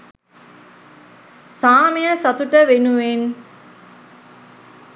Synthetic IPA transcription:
saːmejəsat̪uʈəʋenuʋen

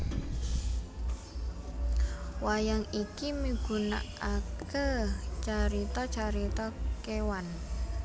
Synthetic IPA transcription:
wajaŋikimiɡ̥ṳna̰ʔakət͡ʃaɾit̪ɔt͡ʃaɾit̪ɔkewan

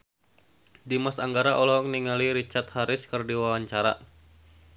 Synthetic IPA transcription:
dimasaŋɡaɾaʔɔlɔɦɔk̚niŋaliɾit͡ʃart̪haɾɪskərdiwawaɲt͡ʃaɾa̰

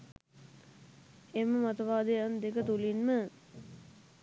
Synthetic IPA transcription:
emːəmat̪ɐʋaːd̪əjand̪ekət̪ulinmə

